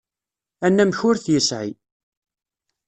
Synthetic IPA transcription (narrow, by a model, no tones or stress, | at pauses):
ænːæmçʊɾθjəsʕḭ